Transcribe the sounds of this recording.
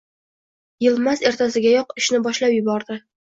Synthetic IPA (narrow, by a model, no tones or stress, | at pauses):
jɪlˠmaze̞ɾt̪ʰasɪɡʲajɒqɪʃnɪbɒʃlapjʊbɒɾd̪ɪ